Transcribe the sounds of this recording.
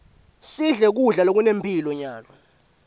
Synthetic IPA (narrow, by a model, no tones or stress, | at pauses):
siɮɛk̬uɮalok̬unempʰʼilɔɲaːlɔ